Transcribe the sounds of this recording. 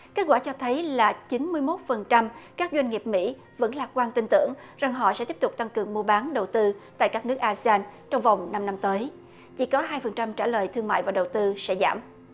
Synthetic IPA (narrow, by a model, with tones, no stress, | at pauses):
keː˦˥t̚kwaː˧˩t͡ɕɔ˧t̪ʰə˨˦jlaː˨˩t͡ɕi˨˦nmɨ˧əjmo˦˥t̚fə˨˩nt͡ɕa˧mkaː˦˥k̚zwa˧jŋ̟ŋi˨˩əp̚mḭ˧˥ | və̰˧˥nlaː˨˩t̚kwaː˧nt̪i˧ŋt̪ɨ̰˧˥˨əŋ | za˨˩ŋɦɔ̰˧˨sɛ̰˧˥t̪i˦˥p̚t̪ʊ˨˩k͡p̚t̪a˧ŋkɨ˨˩əŋmu˧əɓaː˨˦nɗə˨˩wt̪ɨ˧t̪a̰ː˧˨jkaː˦˥k̚nɨ˦˥k̚ʔaː˧si˧aː˧nt͡ɕɔ˧wŋ͡mva˨˩wŋ͡mna˧mna˧mt̪əː˨˦j | t͡ɕḭ˧˥kɔ˨˦ɦaː˧jfə˨˩nt͡ɕa˧mt͡ɕaː˧˩ləː˨˩jt̪ʰɨ˧əŋma̰ː˧˨jvaː˨˩ɗə˨˩wt̪ɨ˧sɛ̰˧˥za̰ː˧˩m